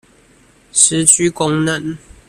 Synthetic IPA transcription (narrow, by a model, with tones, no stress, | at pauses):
s̩˨˧˥t͡ɕy˥kʊ˦ŋnə˥˨n